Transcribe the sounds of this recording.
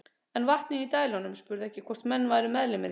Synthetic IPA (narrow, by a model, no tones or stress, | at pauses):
ɛnvaht̪nɪŋit̪aːjlɔnʏmspʏɾðɛhcɪkʰvɔr̥t̪mɛnːvaːɾɪmɛðlɪmɪ